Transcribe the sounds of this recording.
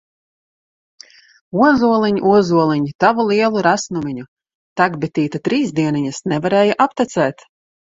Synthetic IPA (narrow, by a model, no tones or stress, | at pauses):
uɔzuɔlˠiɲuʔuɔzuɔlˠiɲit̪avulˠiɛlˠuɾasnumʲiɲu | t̪aɡbɛt̪iːt̪at̪ɾiːzd̪iɛniɲasnɛvaɾɛːjaʔapt̪at̪sɛːt̪